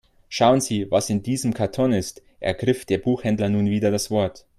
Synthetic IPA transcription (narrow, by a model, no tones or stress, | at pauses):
ʃaʊənziːvasɪndiːzəmkʰaɐtʰɔnɪst | ʔɛ̰ɐɡʁɪfd̥eːɐbuːxhɛndlɐnuːnviːdɐdasv̥ɔɐt